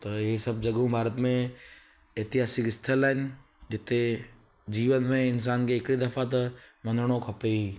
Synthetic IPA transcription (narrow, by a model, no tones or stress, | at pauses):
t̪ɐɪisɐb̚d͡ʒɐɡũbʱaːɾət̪mẽ | eːt̪ɪɦaːsɪkɪst̪ʰəlaːɦɪnɪ̆ | d͡ʒɪt̪e | d͡ʑiːʋənmẽɪns̬aːnkʰeɪkɽid̪ɐfat̪̬ɐmɐnəɽ̃okʰɐpei